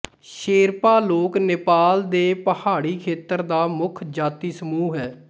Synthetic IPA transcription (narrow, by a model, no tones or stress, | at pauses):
ʃeːɾpaːloːkneːpaːld̪eːpəhaːɽiːkʰeːt̪əɾd̪aːmʊkʰd͡ʒaːt̪iːsəmuːɦɛː